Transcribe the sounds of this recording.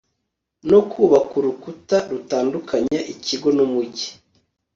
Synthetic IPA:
no̞kʰuːβakuɾukutaɾutaːndukaɲaʔiciɡo̞numuɟi̥

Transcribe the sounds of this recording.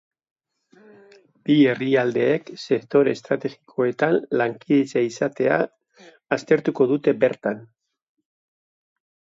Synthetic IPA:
b̥ie̞riald̪e̞ːkse̞kt̪o̞ɾest̪ɾat̪e̞ɣi̥kʰo̞e̞t̪anlaŋkiðet͡saisat̪e̞a̰ː | st̪e̞ɾt̪uko̞ðut̪e̞be̞ɾt̪an

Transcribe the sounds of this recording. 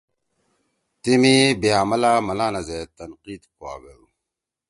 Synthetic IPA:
timibijamalamalanazatanqitkwa̰baɾu

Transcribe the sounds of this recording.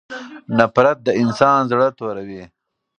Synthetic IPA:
napɾat̪̚d̪əɪnsɑːnzɽət̪oɾawi

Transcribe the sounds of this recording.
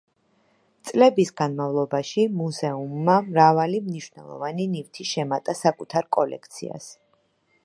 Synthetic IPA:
t̪sʼlɛbisɡanmavlˠɔbaʃimuzɛumːamɾavalimniʃwvnɛlˠɔ̰vaninivt̪ʰiʃɛmat̪ʼasakʼut̪ʰaɾkʼɔlɛ̰k̚ʰt̪sʰḭa̰s

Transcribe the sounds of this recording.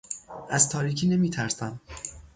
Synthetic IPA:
ʔæzt̪ʰɒːɾiːcʰiːne̞miːt̪ʰæɾsæm

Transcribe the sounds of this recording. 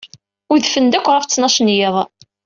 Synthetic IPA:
ʊðfənd̪ækʷːɾˤɑft͡sːnɑʃnjeðˤ

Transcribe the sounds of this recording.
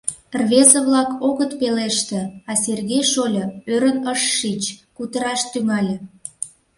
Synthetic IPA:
rβezəβlɑkoɣət̪peleʃt̪ĕɑserɣejʃolʲɤøɾənəʃːit͡ɕkut̪əɾɑʃt̪yŋɑlʲĕ

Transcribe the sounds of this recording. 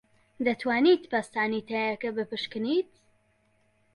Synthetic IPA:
d̪ɐt̪waːniːt̪pɐst̪aːniːt̪ajɐkɐbɨpɨʃkɨniːt̪

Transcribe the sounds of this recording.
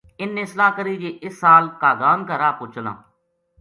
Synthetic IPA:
ɪnːẽːslaːkəɾiːd͡ʒeːʔɪsːaːlkaːɡaːnkəɾaːpʊt͡ʃʰna̰ː

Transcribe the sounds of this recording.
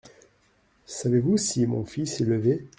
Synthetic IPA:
savevusimɔ̃fisɛləve

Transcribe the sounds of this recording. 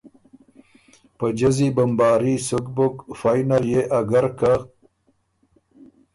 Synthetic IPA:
pəd͡ʒazibambɑːɾisʊkbʊkfaːjnaɾjeʔaɡaɾka

